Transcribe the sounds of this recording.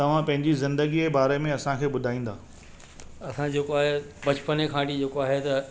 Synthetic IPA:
t̪ɐʋ̤ãpɐ̃ɦɪ̃ɲd͡ʑizɪ̃nd̪əɡiebaːɾemẽɐsãkʰeːbʊd̪ʱaːĩːn̆d̪aː | ɐsãd͡ʑeːkoaːɦe | bɐt͡ɕpənekʰãːʈid͡ʑeːkoaːɦet̪ɐ

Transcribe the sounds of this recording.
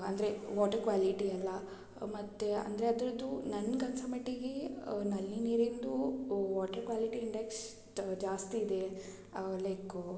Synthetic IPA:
ɐnd̪ɐɾe̞ʋaːʈɐɾkʋaːliʈiɐlːɐ | mɐt̪ːeɐ̰nd̪ɐɾeɐd̪ɾɐd̪ːunɐnːkɐnsɐmɐʈiɡenɐlːiniːɾind̪uʋaːʈɐɾkʋaːliʈiːɳɖeks | d͡ʒaːst̪iːd̪e̞ | leːk

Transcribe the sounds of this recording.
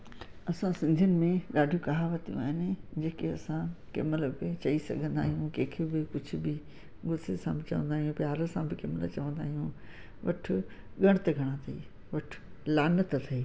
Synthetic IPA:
ɐsãsɪ̃nd̪ʱijʊnɪ̆mẽɠaːɖʱijũkaːɦaʋɐt̪ijṵ̃a̰ːɦɪnɪd͡ʑeːkeɐsãkɪ̰məlbɪt͡ɕɐisɐ̰ɡʱə̃nd̪a̰ːɦijũkẽːkʰebɪkʊd͡ʑʱʊbɪ | ɡʊsesã̰bɪt͡ɕɐʋə̃nd̪aːɦijũpjaːɾəsãbɪkɪmɪlət͡ɕɐʋə̃nd̪aːɦijũ | ʋɐʈʰʊɠɐɽ̃t̪ɐɡʱɐɽ̃ãt̪ʰɐḭː | ʋɐʈʰʊ̥laːnət̪t̪ʰɐiː

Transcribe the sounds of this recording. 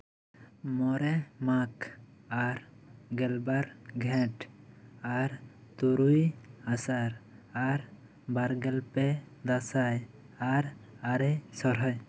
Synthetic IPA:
mɔɾɛmakaɾɡɛlbaɾɡʱɛ̃ʈ | aɾ | t̪uɾujasaɾ | aɾ | baɾɡɛlpɛ | d̪asaj | aɾ | aɾɛsɔɾɦɔj

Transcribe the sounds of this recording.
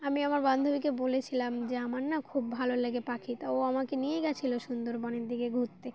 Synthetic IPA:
amiamaɾband̪ʱobikebolet͡ɕʰilamd͡ʑeamaɾnakʰubːʱaloleɡepakʰit̪aoamakenieɡɛt͡ɕʰiloʃund̪oɾbɔneɾd̪ʱiɡeɡʱut̪ːe

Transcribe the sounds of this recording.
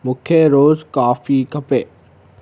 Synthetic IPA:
mʊkʰeɾoːzkaːfiːkɐpeː

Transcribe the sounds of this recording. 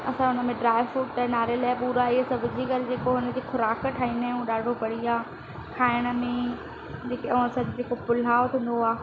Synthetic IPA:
ɐsãʊnə̆mẽɖɾaːɪʋfʊʈːənaːɾelaːɪpuːɾaiɦesɐbʱɪd͡ʑiɡɐɾɪd͡ʑeːkoɦʊnə̆d͡ʑʰexʊɾaːkʈʰaːĩːnɦɛ̃ũɗaːɖʱopɐɽ̤iaː | kʰaːɪɽ̃ə̆mẽ | d͡ʑeːkẽɐsãd͡ʑd͡ʑeːkopʊl̤aːot̪ʰĩːn̆d̪oaː

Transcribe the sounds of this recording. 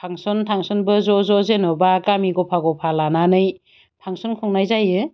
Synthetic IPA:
pʰaŋsɔntʰaŋsɔnbɯzɔzɔzenɔbakamiɡɔpʰaɡɔpʰalananɯj | pʰaŋsɔnkʰɔŋnajzajɯ

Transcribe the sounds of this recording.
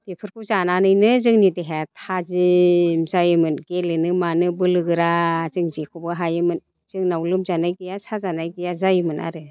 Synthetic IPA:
bepʰɯɾkʰuzananɯjnɯzɯŋnideɦetʰazimzajɯmɯnɡelɯnɯmanɯbɯlɯɡɯɾazɯŋzikʰubɯɦajɯmɯn | z̥ɯŋnawlɯmzanajɡijasʰazanajɡijazajɯmɯnʔa̰ɾɯ

